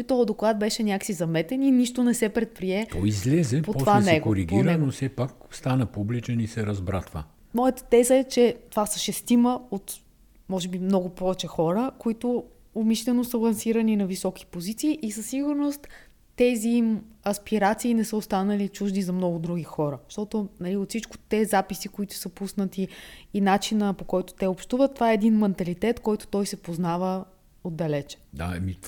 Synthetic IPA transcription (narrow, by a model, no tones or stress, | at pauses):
ut̪ɔd̪oklˠad̪̚bɛʃɛnʲjaksizɐmɛt̪ɛniniʃt̪ʊnɛsɛpɾɛt̪̚pɾiɛt̪ɔ̰izlɛzɛpotpɔvaɛnsɛɡkoɾiɡinɛnofsɛpakst̪anəpublit͡ʃɛnisɛɾɐzbɾa̰t̪va̰ | mɔjət̪ə̥t̪ɛzəɛt͡ʃɛt̪ovasɐʃɛst̪iməot̪ | mɔʒɛbimnɔɡʊpɔvɛt͡ʃɛxɔɾəkoit̪ʊ | omiʃlɛnosəlˠɐnsiɾəninɐvisɔki̥pozit̪siːʔisɐsːiɡʊɾnost̪ː | ɛziimɐspiɾat̪siːnɛsəʊst̪anəlit͡ʃuʒd̪izɐmnɔɡʊd̪ɾuɡixɔɾəʃt̪ɔt̪ʊnɐliot̪sit͡ʃkʊ̥t̪ɛzapisikoit̪ʊ̥səpusnət̪iːnat͡ʃinəpokɔjt̪ʊ̥t̪ɛopʃt̪uvət̪ːovaɛːd̪inmɛnt̪ɐlit̪ɛt̪kɔjt̪ʊ̥t̪ɔjsɛpoznavə | od̪ːɐlɛt͡ʃɛ̥d̪a̰mi